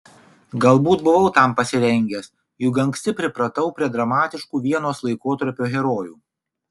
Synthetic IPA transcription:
ɡɐlˠbuːt̪bʊʋɐʊt̪ɐˑmpɐsʲɪɾʲɛŋʲɡʲeːs | jʊɡɐŋksʲt̪ʲɪpʲɾʲɪpɾɐt̪ɐʊpʲɾʲiɛd̪ɾɐmɑːt̪ʲɪʃkuːʋʲiɛnoːslˠɐɪkoːt̪ɐɾʲpʲoːɣʲɛɾoːjṵː

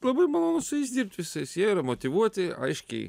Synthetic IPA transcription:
lˠɐbɐɪmɐlˠoːnʊsʊjɛɪsd̪ʲiːp̚t̪ʲʋʲɪsɐɪsjiɛiːɾɐmoːt̪ʲɪʋuɔt̪ʲɪɐ̰ɪʃʲkʲɛ̰ɪ

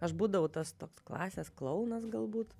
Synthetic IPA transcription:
ɐʃbuːd̪ɐʋɐʊt̪ɐst̪oːksklˠɑːsʲeːsklˠɐʊnɐsɡɐlˠbuːt̪

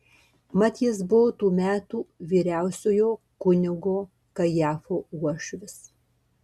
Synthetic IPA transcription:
mɑt̪ʲis̬bʊʋoːt̪uːmʲæːt̪uːʋʲiːɾʲæˑʊsʲoːjoː | kʊnʲɪɡoː | kɐjæːfoːuɔʃʲʋʲɪs

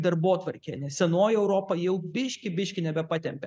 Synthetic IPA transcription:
d̪ɐɾboːt̪ʋɐɾʲkʲenʲɛsʲsʲɛnoːjɛʊɾoːpɐjɛʊbʲɪʃʲkʲɪbʲɪʃʲkʲɪnʲɛbʲɛpɑːt̪ʲɛmʲpʲɛ

